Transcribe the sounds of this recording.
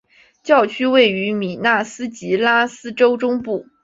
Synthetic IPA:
t͡ɕjɑ˥˩ʊt͡ɕʰy˥we˥˩ɪy˧˥mi˨˩na˥˩sɹ̩˥t͡ɕi˧˥la˥sɹ̩˥ʈ͡ʂo˥ʊʈ͡ʂʊ˥ŋpu˥˩

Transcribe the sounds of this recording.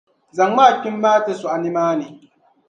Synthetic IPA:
za˨ŋː˦aː˦˨k͡pʲɪ˦mːaː˦te˦su˨ʔa˨nɪ˦maː˦neː˨

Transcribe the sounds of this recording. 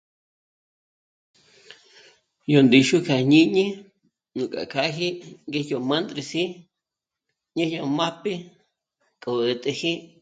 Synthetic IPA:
jo˨nd̪i˨ʃu˦kʰa˨ɲĩ˦ɲĩ˦ | nũ˨kʼa̰˨kʰa˦ɦi˦ʔŋɡe˦jo˨mã˦nd̪ɾi˧si˦ | ɲĩ˦jo˧ma˦pi˦ | kʼo˨ə˨t̪ʼe˧hi˦ʔ

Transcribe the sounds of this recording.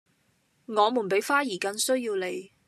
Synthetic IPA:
ŋɔː˨˧muː˨˩npe˨˥jfaː˥jiː˨˩kɐ˧nsɵ˥ɥjiː˧wle˨˧j

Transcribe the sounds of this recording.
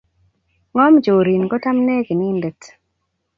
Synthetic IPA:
ŋɔ˦md͡ʒo˨ɾi˨nɡɔ˦ta˦mne˦ɡi˨ni˦ndɛ˨t

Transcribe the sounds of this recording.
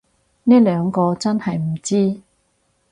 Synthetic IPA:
nɛː˥lœː˨˧ŋkɔː˧t͡sɐ˥nhɐ˨jm̩˨˩t͡siː˥

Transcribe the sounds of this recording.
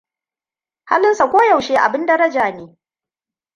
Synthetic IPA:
ha̰˦lɪ˦nsa˨kʷoː˦ja˨wʃeː˦ʔa̰˨bɪ˦ndɐ˦ɾɐ˦d͡ʒaː˨neː˦

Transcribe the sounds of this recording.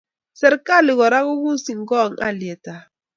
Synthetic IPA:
sɛ˨ɾka˦˨li˨ɣɔ˨ɾa˦ɣu˦ɣu˦n˦si˨ŋ̩˨˦ɡɔ˦˨ŋa̰˦˨ljɛ˨ta˨

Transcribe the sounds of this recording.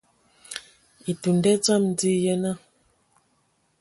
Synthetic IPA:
i˨tu˨ndɛ˦t͡sa˦mn˦di˦jɛ˦na˦

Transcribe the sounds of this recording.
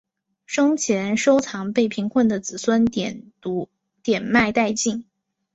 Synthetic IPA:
ʂɤ˥ŋt͡ɕʰjɛ˧˥nʂo˥ʊt͡sʰɑ˧˥ŋpe˥˩ɪpʰi˧˥ŋkʰwə˥˩nd̪ə˩t͡sɹ̩˨˩swə˥nɛ˨˩n | u˧˥ | t̪jɛ˨˩nma˥˧ɪt̪a˥˧ɪt͡ɕi˥˩ŋ

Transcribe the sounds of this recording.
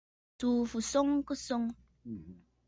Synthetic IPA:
tu˨fu˨sʊ˦ŋku˦sʊ˦ŋ

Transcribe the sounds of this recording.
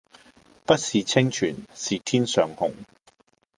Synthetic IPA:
pɐ˥t̚siː˨t͡sʰɪ˥ŋt͡ʃʰyː˨˩nsiː˨t̪ʰiː˥nsœː˨ŋhʊ̰˨˩ŋ

